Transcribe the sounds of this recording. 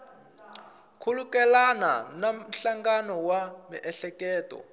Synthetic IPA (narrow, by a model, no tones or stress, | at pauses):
kʰulukɛlana̰nam̩ɬaŋɡanɔwamiʔɛɬɛkɛːtɔ̰